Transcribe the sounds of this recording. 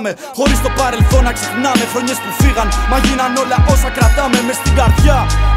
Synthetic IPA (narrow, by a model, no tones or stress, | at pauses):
me | χoɾist̪opaɾelθonaksiknamefɾoɲest̪ufiʁanmaʝinanolaʔosakɾat̪amemest̪iɡaɾðja